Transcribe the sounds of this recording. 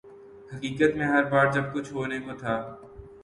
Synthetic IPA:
hɐkiːkət̪mẽɦɐɾbaːɾd͡ʒɐb̚kʊt͡ʃʰɦoːnekot̪ʰaː

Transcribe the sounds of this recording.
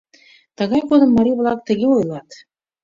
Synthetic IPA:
t̪ɤ̆ɣɑjkod̪ɤ̆mːɑɾʲiβlˠɑk̚t̪ə̆ɡʲeojlˠɑt̪

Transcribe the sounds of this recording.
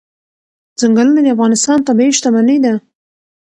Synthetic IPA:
zaŋɡalənad̪eafɣɑnɪst̪ɑnt̪abiiʃt̪amanəjd̪a

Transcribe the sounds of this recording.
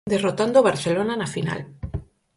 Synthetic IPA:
d̪erot̪and̪oβ̞aɾθelonanafina̰l

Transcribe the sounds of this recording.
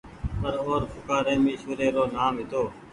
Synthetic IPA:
pəɾoːɾpʰʊkaːɾẽːmiːʃuːɾeːɾoːnaːmɦɪt̪oː

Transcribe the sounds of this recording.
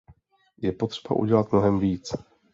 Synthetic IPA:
jɛpo̞t̪r̥ɛ̥ba̰ʔṵɟɛlat̪mno̞ɦɛmviːt͡s

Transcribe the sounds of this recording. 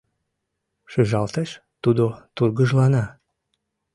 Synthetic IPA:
ʃyʒɑlt̪eʃt̪ud̪ot̪urɣəʒlɑnɑ

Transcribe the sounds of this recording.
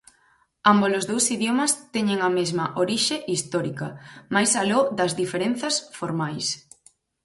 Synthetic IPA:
ambolozðowsiðjomɐst̪ɛɲeŋɐmezmɐʔoɾiʃeʔist̪ɔɾikɐmajsalod̪ɐzðifeɾen̟θɐsfoɾmajs

